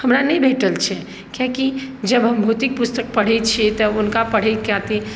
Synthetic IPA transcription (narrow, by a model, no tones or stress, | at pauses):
hɐmɾanɐɦĩbʱeːʈəlt͡ʃʰɛ | kjakid͡ʒɐbɦɐmbʱuːt̪ɪk̚pʊst̪ək̚pɐɽ̤et͡ʃʰet̪ɔʊnkapɐɽ̤ekaːt̪i